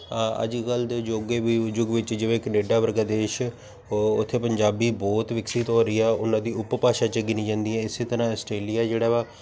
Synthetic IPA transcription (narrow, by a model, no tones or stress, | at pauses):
ə̰d͡ʒkəld̪ed͡ʒoːɡeːʋiːd͡ʒʊɡʋɪt͡ʃd͡ʒɪʋẽːkneːɖaːpəɾəɡaːd̪eːʃ | ʊ̰t̪ʰːeːpəɲd͡ʒaːbiːbɔːt̪ʋɪksɪt̪ɦoːɾəiːɛːʊnãːd̪iːʊppaːʃaːt͡ʃəɡiːnĩːd͡ʒãːnd̪iɛ̃ːɪseːt̪əɾãːəsʈɾeːlijaːd͡ʒeːɽaːʋaː